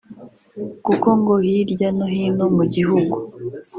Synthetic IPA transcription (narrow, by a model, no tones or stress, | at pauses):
kuko̞ŋɡohiɾɟanohinomuɟiɦuɡu